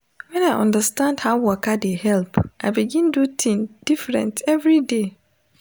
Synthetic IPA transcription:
wɛ̃naʔɔ̰̃ndastãndhaʊwɔkadehɛlpʰʔaɪbiɡĩndutʰĩnd̥ifɾɛ̰̃ntʰɛvɹide

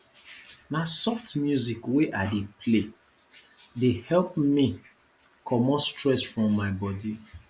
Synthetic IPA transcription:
nasɔftmjuzikweʔaɪdepʰle | dehɛlpmi | kʰɔmɔstɹɛsfɹɔ̃mːaɪbɔdi

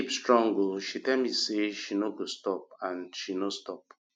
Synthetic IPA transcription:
ipstɹɔ̃ŋɡoʃitɛlmiseʃinoɡostɔp̚ãnʃinostɔp̚

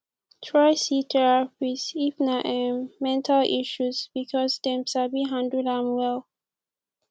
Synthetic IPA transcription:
tʰɹaɪsitʰɛɹapisifnaʔɛ̃mɛ̃ntʰalʔḭʃuzbikʰɔsdɛ̃msabiɦãndudãmwɛlˠ

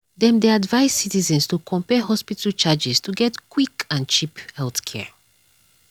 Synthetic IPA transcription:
dɛ̃mdeadvaɪsitizɛ̃nstukʰɔ̃mpɛɦɔspitʰəlt͡ʃad͡ʒistʰuɡɛtkwikãnt͡ʃiphɛlˠθkʰɛ̰

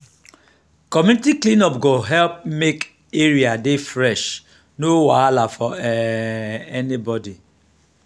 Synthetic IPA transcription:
kɔmjuitiklĩnɔpɡoɦɛlp̚mek | eɾiadefɾɛʃ | nowaalafɔɛ | ɛnibɔdi

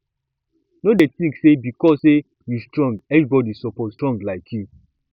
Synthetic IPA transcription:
nodɛtĩŋksebikɔsse | justɹɔ̃ŋɡɛvɹibɔdisɔpɔtstɹɔ̃ŋɡlaɪkʰju

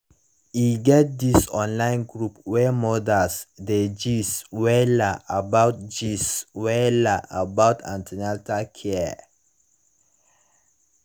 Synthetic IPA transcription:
iɡɛt̚disɔ̃nlãɪ̃nɡɹupwɛmɔdasded͡ʒiswɛlaʔabawt̚d͡ʒiswɛlaʔabawtʰã̰ntʰɛnatakʰɛ

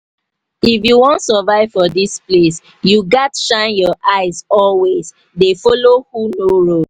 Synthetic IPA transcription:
ifjuwɔ̃ntsəvaɪv̥fɔdisples | juɡatʃãɪ̃njɔʔaɪzɔlwez | defɔlohunoɹo

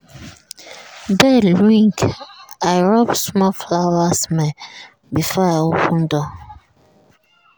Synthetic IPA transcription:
bɛdɹĩŋkajɹɔbsmɔflawasmɛ | bifɔaopʰũndɔ

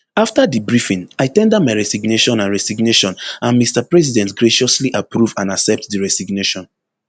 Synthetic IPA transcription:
aftadibɹifĩnaɪtɛ̃ndɛd̚maɪɹɛsiɡneʃɔ̃nãnɹɛsiɡneʃɔ̃nãnmistapɹɛs̬idɛ̃ntɡɹeʃɔsliʔapɹuvãnasɛp̚tdiɹɛsiɡneʃɔ̃n

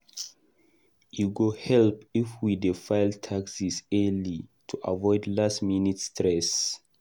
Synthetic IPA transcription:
juɡohɛlpifwidefaɪltʰaksisɛlitʰuʔa̰vɔɪdlastminitstɹɛs

